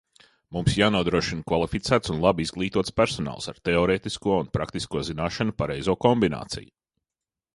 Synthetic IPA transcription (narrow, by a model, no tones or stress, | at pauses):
mumsjaːnuɔd̪ɾuɔʃinkvalˠifit̪sæːt̪sunlˠabizɡlˠiːt̪uɔt̪spæɾsɔna̰ːlˠsaɾt̪ɛɔɾeːt̪iskuɔunpɾakt̪iskuɔzinaːʃanupaɾɛjzuɔkɔmbina̰ːt̪sḭju